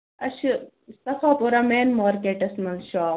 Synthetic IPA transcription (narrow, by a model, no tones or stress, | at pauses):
ɐʃ | st̪ɐfaːpoɾɐmeːnmaːɾkeːʈɐsmɐlʃaː